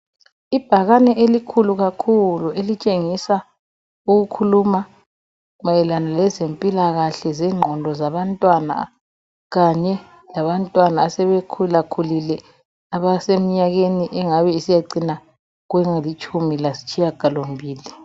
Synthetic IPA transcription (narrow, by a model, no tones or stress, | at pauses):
ib̥ʱaɣanɛʔelikʰuluɣakʰuluelit͡ʃʼeŋisa | uɣukʰuluma | umajɛlanalɛzempʼilaɣaɬɛzɛːŋ͡ǃʱɔndʱɔzaβantʼwana̰ | ɣaɲɛ | laβantʼwanaːsɛβekʰulakʰulilɛ | aβasemiɲaɣeniʔɛŋaβɛisijaǀina | ɣwɛŋalit͡ʃʰʼumilasi̥t͡ʃʼʰijaɡ̥ʱalom̩bʱiːli